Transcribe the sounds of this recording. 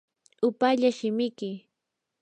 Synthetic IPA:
ʊpaʎaʃɪmɪkɪ

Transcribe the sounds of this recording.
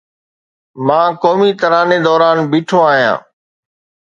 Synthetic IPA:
mãːkoːmiːt̪əɾaːneːd̪ɔːɾaːnbiːʈʰoːaːɦijã̰ː

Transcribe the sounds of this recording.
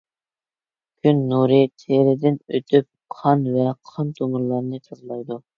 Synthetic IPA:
ɡʲʰynːuɾɨt̪ʰeɾɪd̪ɪnøt̪ʰyp̚ | qʰɑnvɛqʰɑnt̪ʰomuɾlˠɑɾnɨt̪ʰɑzlˠɑjd̪u

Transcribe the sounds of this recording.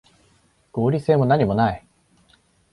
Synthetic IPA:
ɡ̥o̞ːɾʲise̞ːmo̞naɲ̟imo̞nai

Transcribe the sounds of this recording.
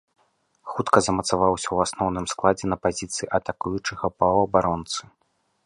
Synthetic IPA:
xut̪kɐzɐmɐt̪savawsʲɐwasnɔwn̪ɨmsklˠad͡zʲɛnɐpazʲit̪sɨjiʔɐt̪akujut͡ʂɨɣɐpɐwɐbaɾɔnt̪sɨ̥

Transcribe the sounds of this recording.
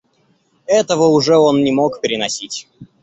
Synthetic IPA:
ɛt̪əvəʊʐɛo̞nnʲɪmo̞kpʲɪɾʲɪnɐsʲitʲ

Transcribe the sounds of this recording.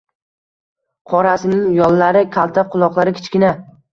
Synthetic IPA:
qʰɒɾasɪnɪŋjɒlːaɾɪkʲʰalˠt̪ʰaqʰʊlˠɒqlˠaɾɪkʲʰɪ̥t͡ʃkʲɪna

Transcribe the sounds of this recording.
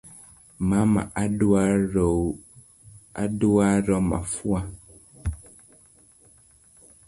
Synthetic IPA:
mãmã̰ʔaɖuaɾo | aɖuaɾɔmã̰fua

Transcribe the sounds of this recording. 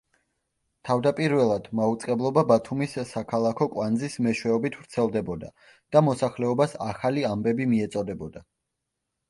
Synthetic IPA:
t̪ʰavd̪apʼiɾvɛlˠad̪̥maut̪sʼqʼɛblˠɔbabat̪ʰumisːakʰalˠakʰɔkʼwand̪zismɛʃwɛɔbit̪ʰvɾt̪sʰɛlˠd̪ɛbɔd̪a | d̪̥amɔsaχlɛɔbasa̰χaliambɛbimiɛt̪sʼɔd̪ɛbɔd̪a

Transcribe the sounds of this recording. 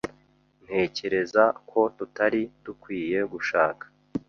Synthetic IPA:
n̥he̞ːce̞ɾe̞zakʰo̞tutaɾitukwiːje̞ɡuʃaːkḁ

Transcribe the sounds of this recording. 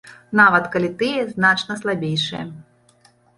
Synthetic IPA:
navɐt̪kalʲit̪ɨjɛznat͡ʂnɐslˠabʲejʂɨ̰jɛ̰

